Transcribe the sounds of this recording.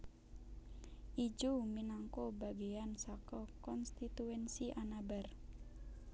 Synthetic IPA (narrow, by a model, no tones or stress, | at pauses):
ʔid͡ʒuminaŋkobaɡeansakɔkɔnst̪it̪uɛnsiʔanabar